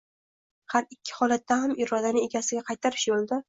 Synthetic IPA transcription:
haɾɪkʲʰːɪ̥hɒlat̪ʰːahamɪɾɒd̪anɪe̞ɡʲasɪɡʲaqʰɑjt̪ʰaɾɪʃjolˠd̪a

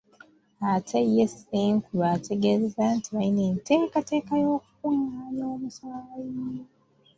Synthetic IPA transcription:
atʰaijeseŋkuβatʰe̞ɡezezantiβajineːnte̞ːkate̞ːkajo̞ːk̚u̥kuŋanoːmusalaβajino

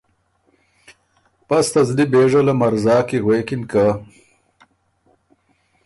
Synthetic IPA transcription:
pɐst̪ɐzlibeːʐɐlɐmɐɾzɑːkiɣweːkɪnka

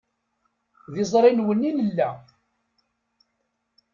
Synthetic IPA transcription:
ðɪzˤɾˤinwəninəlːæ

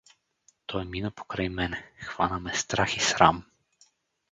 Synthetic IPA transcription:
t̪ʰɔjminəpo̥kɾajmɛnɛxv̥anəmɛst̪ɾaxisɾa̰m

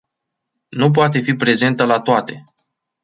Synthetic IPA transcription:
nup̬oat̪e̞fipɾe̞ze̞nt̪əlat̪oat̪e̞

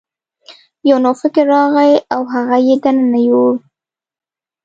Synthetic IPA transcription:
jawnofɪkeɾːɑɣajawɦaɣajed̪ananajoɽ

